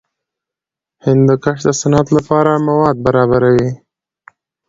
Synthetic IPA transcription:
hɪnd̪ːəkaʂd̪əsanɑt̪lapɑɾamawɑd̪̚baɾɑβaɾawi

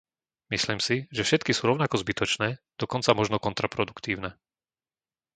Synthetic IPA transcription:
misliːmsiʒɛfʃɛt̪kisuːɾɔʊnakɔzbit̪ɔt͡ʃnɛːd̪̥ɔkɔnt͡samɔʒnɔkɔnt̪ɾapɾɔd̪ukt̪iːʊnɛ

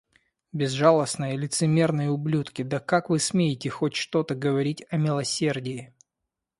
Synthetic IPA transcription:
bʲɪzʐalˠəsnəjəlʲɪt̪sɨmʲe̞rnəjəʊblʲut̪kʲɪd̪əkakvɨsmʲejɪtʲɪxotʲʂt̪o̞t̪əɡəvɐɾʲitʲɐmʲɪlˠɐsʲe̞rdʲɪjɪ

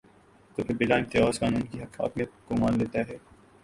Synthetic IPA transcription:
t̪oːpʰɪɾbɪlãːnt̪eɔːskaːnũːnkiɦɐha̰ːkmijət̪̚komãːnleːt̪aɦɛː

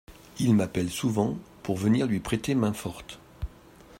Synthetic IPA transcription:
ilmapɛlsuvɑ̃puʁvəniʁlɥipχet̪emɛ̃fɔʁt̪

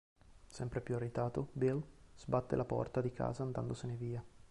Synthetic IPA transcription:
sɛmpɾepjuarːit̪aːt̪obilz̥bat̪ːḛlapɔ̰rt̪ad̪ikʰa̰ːzaːnd̪and̪oseneviːa

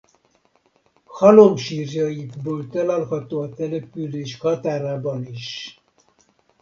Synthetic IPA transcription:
hɒlomʃiːrjɒjid̪boːlt̪ɛlalɦɒt̪oːɒt̪ɛlɛpyleːʃhɒt̪aːɾaːbɒniʃ

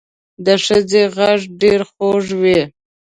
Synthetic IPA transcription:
d̪əʂəd͡zeɣaʐɖeɾxoʐwi

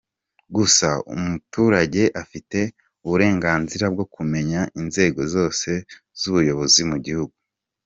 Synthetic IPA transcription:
ɡusaṵmutuːɾaɟe̞ʔafite̞ | uβuɾe̞ːŋɡaːnziɾab̚ɡo̞kume̞ɲaʔinze̞ːɡo̞zo̞ːse̞ | z̥uβujo̞βo̞zimuɟihuɡu

